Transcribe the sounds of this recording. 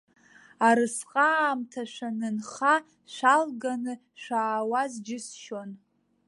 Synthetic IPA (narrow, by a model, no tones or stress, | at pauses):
aɾɨsqʼaːmtʰaʃʷᶣanɨnχa | ʃʷalɡanɨ | ʃʷaːwazd͡ʒɪsʃon